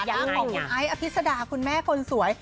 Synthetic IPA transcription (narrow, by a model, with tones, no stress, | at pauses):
ja˥˧ɔː˨˧ʔa˦˥jʔa˧pʰi˦˥t̪̚sa˧daː˧kʰu˧nmɛː˥˩kʰo˧nsu˨˩˦əj